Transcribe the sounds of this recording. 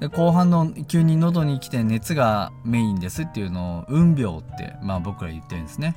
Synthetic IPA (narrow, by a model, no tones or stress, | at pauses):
d̪e̞ko̞ːɦãnːo̞kʲɨːɲ̟ːino̞d̪o̞ɲ̟ikʲi̥t̪e̞ne̞t͡sɨɡame̞ĩnd̪e̞sɨt̪ːe̞jɯ̟no̞ːɯ̟̃mbʲjo̞ːt̪ːe̞̰maːbo̞kɯ̟ɾa̰jɯ̟t̪ːe̞ɾɯ̟̃nesɨne̞